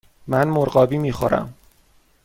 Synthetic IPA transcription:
mænmoɾɢɒːbiːmiːxoɾæ̰m

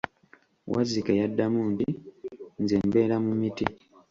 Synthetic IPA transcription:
wʔa̰zikejadːamuːntinzembe̞ːɾamumiti

